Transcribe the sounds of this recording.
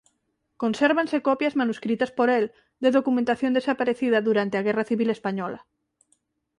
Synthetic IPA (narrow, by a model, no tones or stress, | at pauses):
ko̞nseɾβanse̞kopjazmanuskɾit̪aspoɾel | d̪e̞ðokumẽnt̪aθjo̞nd̪e̞sapaɾeθið̞aðuɾant̪eaɣ̞eraθiβilespaɲola